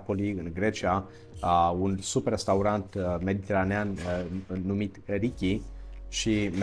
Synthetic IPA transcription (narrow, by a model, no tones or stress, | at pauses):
po̞liɨnɡɾe̞t͡ʃia | unsupɾest̪auɾant̪me̞d̪it̪e̞ɾaneanː | umit̪ɾikʲiʃim